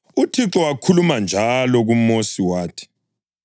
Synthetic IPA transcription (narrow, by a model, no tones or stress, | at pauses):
utʰiǁɔwakʰulumand͡ʒʱalɔɣumosiwaːtʰi̥